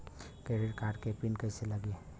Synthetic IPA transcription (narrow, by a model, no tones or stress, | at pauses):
keɾiɾkaʈkepinkəɪseləɡe